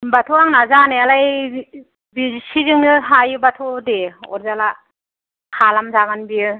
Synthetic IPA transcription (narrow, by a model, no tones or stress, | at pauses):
batʰuaŋnazanealaj | bisizɯŋnɯɦajɯbatʰudeɔ̰ɾzala | kʰalamzaɡanbiɯ